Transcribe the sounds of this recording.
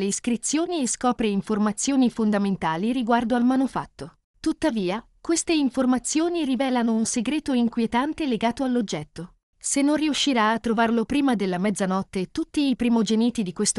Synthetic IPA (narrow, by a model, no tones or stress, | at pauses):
leiskɾit̪sjoːnieskɔːpɾeiɱformat̪sːjoːnifond̪ament̪aːliɾiɡward̪oalmanufa̰t̪ːo | t̪ut̪ːaviːa | kwest̪eiɱformat̪sːjoːnirivɛːlanounseɡɾeːt̪oiŋkwjet̪ant̪eleɡaːt̪oalːod͡ʒːɛt̪ːo | senːonriuʃːiɾaːt̪ːɾovarlopɾiːmad̪elːamɛd̪zanɔt̪ːet̪ut̪ːiːpɾimod͡ʒeniːt̪id̪ikwest̪o